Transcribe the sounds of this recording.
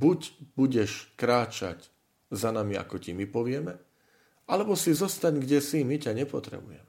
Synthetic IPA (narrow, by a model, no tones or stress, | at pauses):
buɟbuɟɛʃkɾaːt͡ʃa̰c | zanamia̰kɔcimipɔʋɪɛmɛ | ʔalɛbɔsizɔst̪aɲɡɟɛsimicaɲɛpɔt̪ɾɛ̰bujɛ̰mɛ